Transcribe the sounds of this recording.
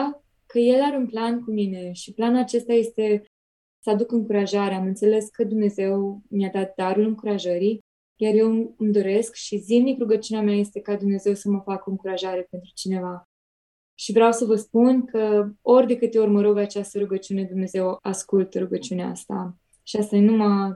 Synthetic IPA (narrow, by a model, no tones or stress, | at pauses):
kəje̞laɾeunplankumine̞ʃiplanulat͡ʃe̞st̪aje̞st̪e̞ | səad̪ukɨŋkuɾaʒaɾeamɨnt̪se̞le̞skəd̪umne̞ze̞wmiad̪at̪̚d̪aɾulɨŋkuɾaʒəɾi | jarje̞wɨmd̪o̞ɾe̞skʃizimnikɾuɡət͡ʃuneamʲaje̞st̪e̞kad̪umne̞ze̞wsəməfakoɨŋkuɾaʒaɾe̞pe̞nt̪ɾut͡ʃine̞va | ʃivɾeawsəvəspunkʰəo̞rʲd̪e̞kɨt̪jeurməɾəwpeat͡ʃast̪əɾuɡət͡ʃiune̞d̪umne̞ze̞waskult̪ɾuɡət͡ʃiuneaa̰st̪a̰ | ʃiast̪anuma